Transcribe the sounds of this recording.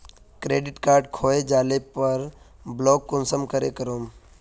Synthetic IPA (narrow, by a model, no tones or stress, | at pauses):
kɾeːɖɪʈkaːɾɖ̚kʰoːed͡ʒaːlepəɾ | bloːɡ̚ːonsəmkəɾḛːkəɾoːm